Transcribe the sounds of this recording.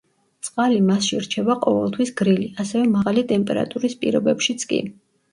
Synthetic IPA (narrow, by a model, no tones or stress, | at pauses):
t̪sʼqʼalimasʃiɾt͡ʃʰɛbaqʼɔvɛlˠt̪ʰwisɡɾiliasɛvɛmaʁalit̪ʼɛmpʼɛɾa̰t̪ʼuɾispʼḭɾɔbɛpʃit̪sʰkʼḭ